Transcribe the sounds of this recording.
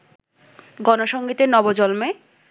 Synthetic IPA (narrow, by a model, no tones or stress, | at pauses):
ɡɔnoʃɔŋɡit̪enɔbod͡ʑɔlme